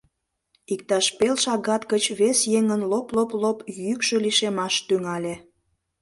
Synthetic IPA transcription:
ik̚t̪ɑʃpelʃɑɣɑt̪kət͡ɕβesjeŋənloploplopjykʃøliʃemɑʃt̪yŋɑlʲe

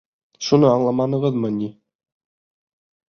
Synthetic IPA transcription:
ʃunɤɑɴlˠɑmɑnɤ̆ʁɤðmɤni

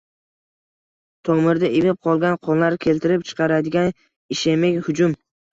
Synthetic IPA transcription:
t̪ʰɒmɪɾd̪aemɪp̚qʰɒlˠɡʲanqʰɒnˠlaɾkʲʰe̞lt̪ʰɪɾɪpt͡ʃʰɨ̥qɑɾad̪ɪɡʲan | ɪʃemekʲhʊd͡ʒʊm

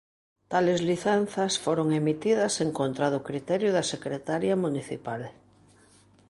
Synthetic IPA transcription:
t̪alezliθan̟θasfoɾoŋemit̪iðaseŋkont̪ɾaðʊkɾit̪ɛɾjʊðasekɾet̪aɾjamuniθḭpal

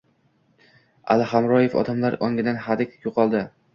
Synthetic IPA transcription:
a̰lɪhamɾɒjefɒ̰d̪amlaɾɒŋʲɪd̪anhad̪ɪkʲjoqʰɒlˠd̪ɪ

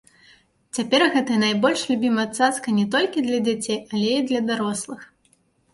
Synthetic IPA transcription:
t͡sʲapʲɛrɣɛt̪ɐjɐnajbɔlʲʂlʲubʲimɐat̪sat̪skɐnʲɛt̪ɔlʲkʲid̪lʲɐd͡zʲat͡sʲejɐlʲɛid̪lʲɐd̪aɾɔslˠɨx

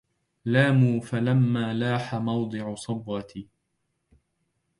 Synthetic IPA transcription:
laːmuːfalamːaːlaːħamɑwd̪ˤɨʕʊsˤɑbɣɑt̪iː

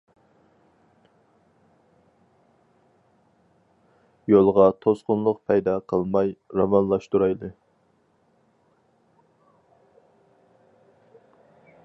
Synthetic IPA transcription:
jolˠʁɑt̪ʰosqʊnlˠʊqpʰɛjd̪ɑqʰəlˠmɑjɾɑmɑnlˠɑʃt̪uɾɑjlˠɨ

